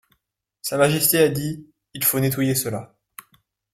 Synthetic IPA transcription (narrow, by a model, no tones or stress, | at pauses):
samaʒɛst̪ead̪i | ilfonet̪wajesəla